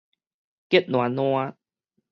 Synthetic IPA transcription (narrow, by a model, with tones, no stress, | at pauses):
ke˦t̪̚nw̃a˨nũ˧a˧